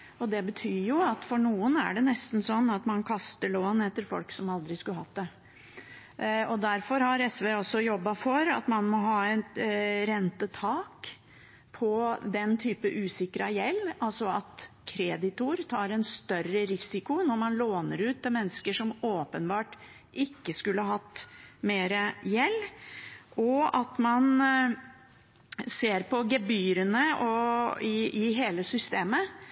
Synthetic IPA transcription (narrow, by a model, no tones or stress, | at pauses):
ɔd̪ɛbət̪ʰyːjʊɑt̪fɔɳuːənæ̰ɖɛnɛst̪n̩sɔnːɑt̪mɑnkʰɑst̪əɭoːnɛt̪ːəɾfɔ̰lksɔmɑld̪ɾɪskʉlɦɑːt̪̚d̪ɛ | ɔd̪æɾfɔɾhɑɾɛsʋeɔsːɔjɔbːɑfɔɾɑ̰t̪mɑnmɔɦɑːɛt̪ɾɛnt̪ət̪ʰɑːk | pʰɔd̪ɛnt̪ʰyːpəʔʉːsɪkːɾɑjɛlːɑlsɔɑt̪kʰɾɛːd̪ɪt̪ʊɾt̪ʰɑːɾɛnst̪œrəɾɪsɪkʊnɔɾmɑnloːnəɾʉːt̪ːɪlmɛnːəskəʂɔmoːpənbɑːʈ | ʔɪkːəskʉlːəhɑɦɑt̪ːmeːɾəjɛlː | ʔɔɑt̪mɑn | seːɾpʰɔɡɛbyːɾənəɔɪɪɦeːləsʏst̪eːmə